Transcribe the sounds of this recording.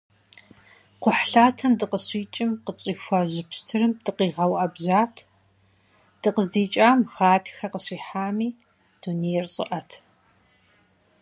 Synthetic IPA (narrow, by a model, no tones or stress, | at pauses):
qʷʊħɬaːtʰɐmdɨqəɕiːt͡ʃʼɪmqət͡sʼiːfʷɐʑɨpʰstʰɨɾɨmd̥ɨqiːʁɐwʔɐbzaːtʰ | d̥ɨqəzdiːt͡ʃʼaːmxaːtʰxɐqəɕiːħaːmiː | d̥uneːjrɕʼɪ̰ʔɐtʰ